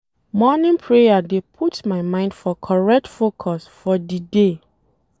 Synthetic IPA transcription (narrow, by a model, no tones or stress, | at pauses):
mɔnɪ̃npʰɹejadepʰutmaɪmãɪ̃nd̥fɔkʰɔɹɛk̚tfokʰɔsfɔdide